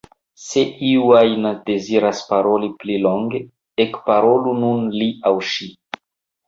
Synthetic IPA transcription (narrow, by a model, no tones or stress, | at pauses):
seʔiwajnde̞ziɾaspaɾolipliloŋɡe̞ | ekpaɾo̞lununliawʃi